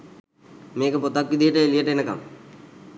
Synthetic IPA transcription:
meːkəpot̪akːid̪ijəʈəelijəʈəenəka̰m

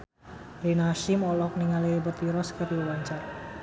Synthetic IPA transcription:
rinaʃimɔlɔk̚niŋaleebət̪iɾɔskəriwəwaɲt͡ʃar

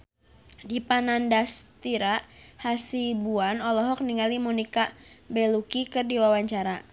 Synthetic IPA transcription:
dipanandast̪iɾaʔhasibuanɔlɔɦɔk̚niŋalimunikabɛlukikɨrdiwawaɲt͡ʃaɾa

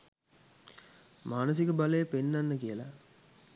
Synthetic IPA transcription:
maːnəs̬ikəbaləjːpenːanːəkiəla̰

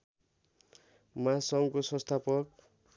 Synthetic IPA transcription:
masʌŋkosʌ̃st̪ʰapʌk̚

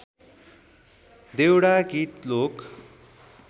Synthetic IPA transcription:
d̪ewɽaɡit̪lok

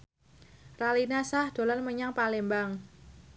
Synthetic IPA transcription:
ralinasahd̪̥o̤lanməɲaŋpalembaŋ

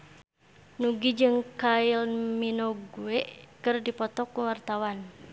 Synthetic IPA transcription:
nuɡid͡ʒɨŋkailminɔɡuɛʔkɨrdipɔt̪ɔkuwart̪awan

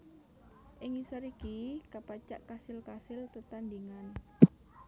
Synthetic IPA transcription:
ʔɪŋisəɾikikapat͡ʃaʔkasɪlkasɪlt̪ət̪and̪iŋan

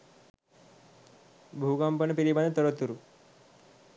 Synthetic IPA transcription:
bʱukampənəpiɾibanet̪əɾət̪ːuɾu

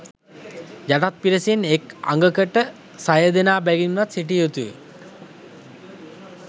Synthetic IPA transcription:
d͡ʒaʈat̪̚piɾəsineka̰ŋɡəkəʈə | sajəd̪enaːbæɡinʋat̪siʈ̬ijot̪uʋḛ

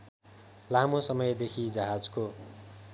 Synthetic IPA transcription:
lamosʌmʌjd̪ekʰid͡zʌɦad͡zko

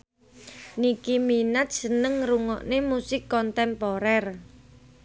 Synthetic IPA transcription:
nikiminat̪̚sənəŋruŋɔ̰ʔnemusɪkːɔnt̪ɛmpɔɾɛr

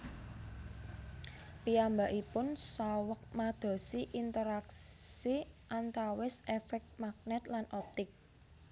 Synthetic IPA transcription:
piambaʔipʊnsawək̚mad̪̥ɔ̤siʔint̪əɾakssiʔant̪awɪsɛfɛk̚t̪̚mak̚nɛt̪lanɔp̚t̪ɪk̚

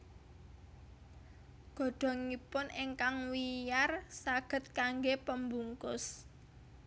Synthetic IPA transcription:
ɡ̥ɔ̤ɖ̥ɔ̤ŋipʊneŋkaŋwijarsaɡ̥ə̤t̪̚kaŋɡepəmbuŋkʊs

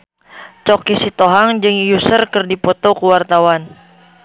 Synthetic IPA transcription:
t͡ʃɔkisit̪oɦaŋd͡ʒɨŋjusərkɨrdipɔt̪okuwart̪awan

